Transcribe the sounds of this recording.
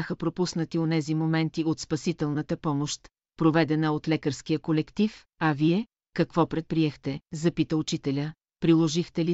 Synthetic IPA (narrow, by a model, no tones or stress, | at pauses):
axəpɾopusnət̪ionɛzimomɛnt̪iot̪spɐsit̪ɛlˠnət̪əpɔmoʃt̪ | pɾovɛd̪ɛnəot̪lɛkəɾsk̟ijəkolɛkt̪if | ɐviɛ | kɐkvɔpɾɛt̪̚pɾiɛxt̪ɛzɐpit̪əʊt͡ʃit̪ɛlʲə | pɾilˠoʒixt̪ɛli